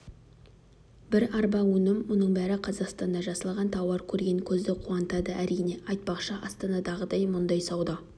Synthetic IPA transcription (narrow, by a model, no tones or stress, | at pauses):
bɪɾɑɾbɑwɵnɪmːʊnəɴbæɾɪqʰɑzɑqst̪ɑnd̪ɑʒɑsəlˠʁɑnt̪ʰɑwɑɾkʲʰɵɾɡʲe̞ŋkʲʰɵzd̪ɪqʰuɑnət̪ɑd̪əʔæɾijne̞ʔɑjt̪̚pɑqʃəʔɑst̪ɑnɑd̪ɑʁəd̪ɑjmʊnd̪ɑjsɑwd̪ɑ